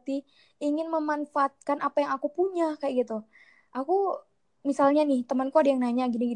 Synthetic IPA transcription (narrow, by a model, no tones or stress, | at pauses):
t̪i | iŋɪnməmanfaːt̪̚kanʔapajaŋakupuɲakajaʔɡit̪u | ʔaku | misalɲanɪht̪əmankuadajaŋnaɲaɡiniɡi